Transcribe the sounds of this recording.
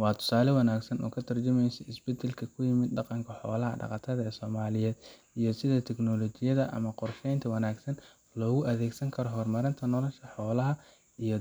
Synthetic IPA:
wɑːt̪ʰʊ̥saːlɛwɐnaːɡsɐnɔ̰ːkʰɐt̪ʰɐrt͡ʃɐmɛjsɛɪsbɛd̪ɛlkʰɐkʰʊjɪmɪd̪ɖɑqɑŋkʰɐħɔːlɐɦɐ̰ɖɑ̰qɑt̪ʰɐðɐɛːsɔːmaːlɪjɛːd̪ | ijɞsɪðɐt̪ʰɛknɔlɔt͡ʃɪjɐðɐʔɐ̰mɐqɔrʃɛjnt̪ʰɐwɐnaːɡsɐn | lɔːɣʊʔɐðɛːɡsɐŋkʰɐɾɔɦɔrmɐɾɪnt̪ʰɐnɔlɐʃkʰɐħɔːlɐɦɐ | ijɞ

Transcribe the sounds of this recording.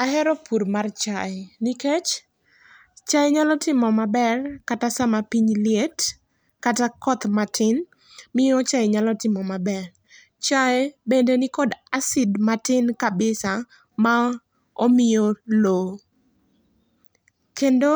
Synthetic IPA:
aɦɛɾɔpuɾmart͡ʃaɪnɪket͡ʃ | t͡ʃaeɲalɔtɪmɔmabɛrkatasamapiɲlijet | katakɔt̪matʰɪn | mɪjɔt͡ʃajeɲalɔtɪmɔmabɛr | t͡ʃaebendenɪkɔdasɪdmatɪnkabɪsa | ma | omɪjolo | kendo

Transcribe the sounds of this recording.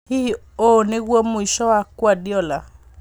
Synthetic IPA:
hi | oneɣwɔmoiʃɔwakwadiɔla

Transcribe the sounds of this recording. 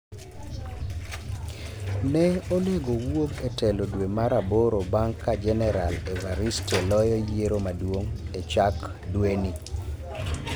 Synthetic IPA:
nɛoleɡowoɡetɛlodwemaɾaboɾobaŋkːad͡ʒɛnɛɾalevaɾistelɔjɔjeɾomadwoŋet͡ʃak | dweni

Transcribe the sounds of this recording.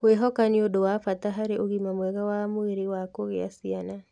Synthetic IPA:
weɦɔkaniodowafataɦaɾeʔoɣimamwɛɣawamoeɾewakoɣeasiana

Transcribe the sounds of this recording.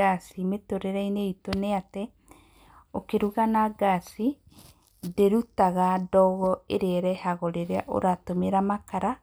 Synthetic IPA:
asimetoɾeɾaineitoneatɛ | okeɾuɣanaɡasi | deɾutaɣadɔɣɔeɾeɾɛhaɣɔɾeɾea̰ʔo̰ɾatomeɾamakaɾa

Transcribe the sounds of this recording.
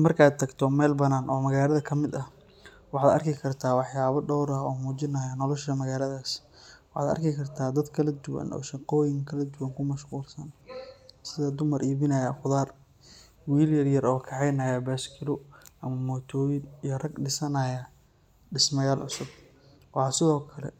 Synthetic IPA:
mɐrkʰaːd̪̚t̪ʰɐɡt̪ʰɔmɛlbɐnaːnʔɔːmɐɣaːlɐðɐkʰɐmɪd̪ɐh | wɑħɑːd̪ɐ̰rkɪkʰɐrt̪ʰaːwɑħjaːβɐɖɔwɾɐɔːmuːt͡ʃɪnɐjɐnɔlɔʃɐmɐɣaːlɐðaːs | wɑħɑ̰ːd̪ɐ̰rkʰɪkʰɐrt̪ʰaːd̪ɐd̪kʰɐlɐd̪ʊwɐ̰nʔɔ̰ːʃɪqɔːjɪŋkʰɐlɐd̪ʊwɐŋkʰʊmɐʃquːlsɐn | sɪðɐd̪ʊmɐrʔiːβɪnɐjɐχʊðaːr | wiːljɐrjɐrɔːkʰɑʕɛjnɐːjɐbaːskʰɪlɔʔɐmɐmɔːt̪ʰɔːjɪnijɔrɐɡɖɪsɐnɐjɐ | ɖɪsmɐjaːlʕʊ̰sʊb̚ | wɑːsɪðɔːkʰɐlɛ̰

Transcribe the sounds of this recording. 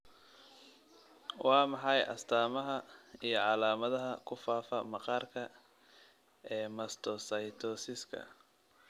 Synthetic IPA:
wɑːmɑħɑjɐ̰st̪ʰaːmɐɦɐijɞʕɑlaːmɐðɐɦɐkʰʊfaːfɐmɑqɑːrkʰɐ | ɛːmɐst̪ʰɔsɐjt̪ʰɔːsɪskʰɐ̰

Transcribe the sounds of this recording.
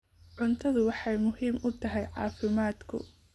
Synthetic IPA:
ʕʊnt̪ʰɐðʊwɑħɑjmʊhiːmʊt̪ʰɐɦɛjʕɑ̰ːfɪmaːd̪kʰʊ̰

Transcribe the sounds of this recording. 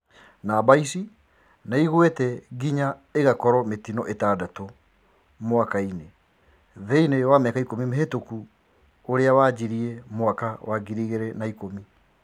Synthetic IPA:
nabaisi | naiɣwetɛɡiɲaeɣakɔɾɔmetinɔʔetaːdato | mwakaine | ðeinewameakaikomimeɦetoku | oɾeawaːd͡ʑiɾiemwakawaɡiɾiɣeɾɛnaikomi

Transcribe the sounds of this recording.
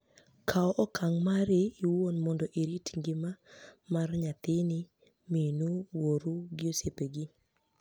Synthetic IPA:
kʰaɔʔɔkʰaŋmaɾɪiwonmɔndɔʔiɾitŋɡɪmamarɲat̪ɪnɪ | minuwoɾuɡɪosepeɡɪ

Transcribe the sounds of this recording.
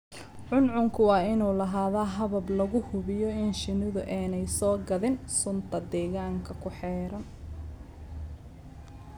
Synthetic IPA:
ʕʊnʕʊŋkʰʊwɑːɪnuːlɐɦaːðaːɦɐβɐblɐɣʊhʊβɪjɔɪnʃɪnɪðʊʔɛːnɛjsɔːɡɐðɪnsʊnt̪ʰɐd̪ɛːɣaːŋkʰɐkʰʊħɛːɾɐn

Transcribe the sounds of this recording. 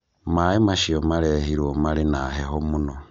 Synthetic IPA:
maimaʃiomaɾehiɾwomaɾinaɦeɦomuno

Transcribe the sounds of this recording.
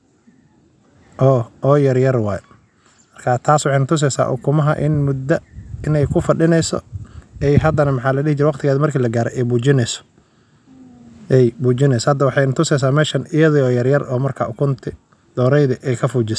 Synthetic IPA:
ʔɔːɔːjɐrjɐrwɑːj | mɐrkʰɐt̪ʰaːswɑħɑjnʊt̪ʰʊs̬ɛjsa̰ːʔʊ̰kʰʊmɐɦɐ̰ʔɪnmʊd̪ɐɪnɛjkʰʊfɐɗɪnɛjsɔ̰ɛjɦɐd̪ɐnɐmɐħɑːlɐɽɪhɪt͡ʃɪɾɛwɑqt̪ʰɪɣaːðɪmɐrkʰiːlɐɡaːɾɛ̰ɛjbuːt͡ʃɪnɛsɔ̥ | ɛjbuːt͡ʃɪnɛjsɔhɐd̪ːɐwɑħɑjnɐt̪ʰʊsɛjs̬aːmɛːʃɐnɪjɐðɪɔːjɐrjɐrɔːmɐrkʰa̰ːʔʊkʰʊnt̪ʰɪ | d̪̥ɔːɾɛjðɐʔɛjkʰɐfuːt͡ʃɪs

